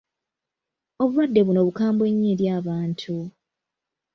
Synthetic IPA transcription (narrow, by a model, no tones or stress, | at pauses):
o̞βuwadːe̞βuno̞βukaːmbwe̞ɲːiːɾjaːβaːntʰu